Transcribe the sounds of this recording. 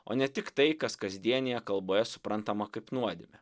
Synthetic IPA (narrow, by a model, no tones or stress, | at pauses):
o̰ːnʲɛt̪ʲɪkt̪ɐɪkɐskɐzʲd̪ʲiɛnʲɪjɛkɐlˠboːjɛsʊ̥pɾɐnt̪ɐmɐkɐɪpnuɔd̪ʲɪmʲɛ